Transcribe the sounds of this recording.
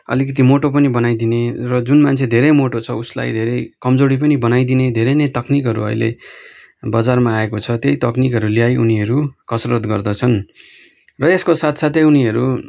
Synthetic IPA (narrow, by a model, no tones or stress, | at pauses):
ʌ̰likʌt̪̬imoʈop̬ʌnibʌnajd̪inerʌd͡zunmant͡sʰed̪ʱeɾʌjmoʈot͡sʰʌusla̰jd̪ʱeɾʌjkʌmd͡zoɾip̬ʌnibʌnajd̪ined̪ʱeɾʌjnʌjt̪ʌknikɦʌɾṵʌ̰jlḛ | bʌd͡zarmaːekot͡sʰʌt̪jejt̪ʌknikɦʌɾulijajʔuniʌɾukʌsrʌʌt̪ɡʌrd̪ʌt͡sʰʌn | rʌeskosat̪ʰsat̪ʰeuniʌɾu